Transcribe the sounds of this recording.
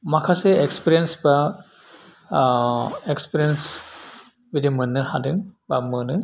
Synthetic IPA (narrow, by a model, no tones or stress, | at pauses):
makʰaseekspiɾijensba | ekspiɾiens | bidimɯnːɯhadɯŋbamɯnɯ